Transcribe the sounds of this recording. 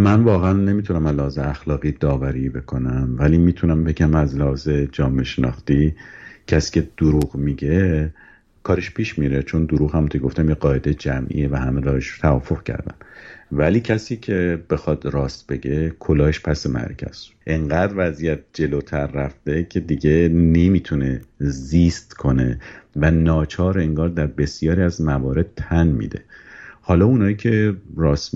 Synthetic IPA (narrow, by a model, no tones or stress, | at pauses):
mænvɒːɣeænːe̞miːt̪ʰunæmæzlehɒːzeæxlɒːɣiːd̪ɒːvæɾiːbe̞kʰo̞næmvæliːmiːt̪ʰunæmbe̞ɟæmæzlæhɒːze̞d͡ʒɒːmeʃenɒ̰ːxt̪iːcʰæsi̥ːkcʰe̞d̪̥oɾuːɣmiɟe̞ | kʰɒːɾeʃpʰiːʃmiɾe̞t͡ʃʰo̞nd̪oɾuːɣhæmont̪ʰokeɡoft̪æmjeɢɒːe̞d̪ejed͡ʒæmʔḭevæhæmeɾɒːheʃɾot̪ʰævɒ̰ːfoɣcʰæ̰ɾd̪æ̰mvæliːcʰæsiːcʰe̞b̥e̞xɒːd̪̥ɾɒːst̪̚be̞ɟe̞kʰolɒːeʃpʰæsemæ̰ɾcʰæ̰z̥ | ʔeŋɢæːd̪ɾvæzijæt̪̚d͡ʒe̞lot̪ʰæɾːæfd̪̥e̞cʲʰe̞d̪iɟe̞nemiːt̪ʰune̞zist̪kʰo̞ne̞̰vænɒːt͡ʃʰɒːɾe̞ŋɡɒːɾd̪æɾbe̞sjɒːɾiæzmævɒːɾe̞d̪̥̚t̪ʰænmḭːd̪e̞̰hɒːlɒːunɒːjiːcʰe̞rɒːs